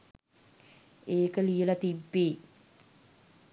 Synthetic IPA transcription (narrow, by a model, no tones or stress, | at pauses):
eːkəlijəlɐt̪ibːeː